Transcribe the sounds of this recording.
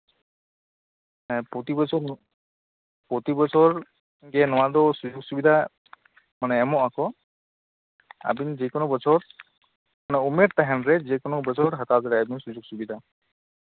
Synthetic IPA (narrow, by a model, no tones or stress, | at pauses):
pot̪ibɔsʰɔ | pot̪ibɔsʰɔɹ | ɡɛnɔwad̪ɔsud͡ʒuɡsubid̪ʱa | manɛːmɔʔakɔ | a̰binzikɔnɔbɔsʰɔɹ | manɛumeɾt̪aɦɛnɹɛzikɔnɔbɔsʰɔɹɦat̪azɛɾɛabinsuzuɡsubid̪ʱa